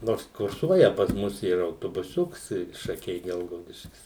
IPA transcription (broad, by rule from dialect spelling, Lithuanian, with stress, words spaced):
ˈnoːrs kʊrˈsuɔjɛ pɐs ˈmʊs ˈiːrɐ ɐʊtoːbʊˈsʲʊks ɪ ʃɐˈkʲɛɪ ˈɡʲɛlˠɡɐʊdʲɪʃʲkʲɪs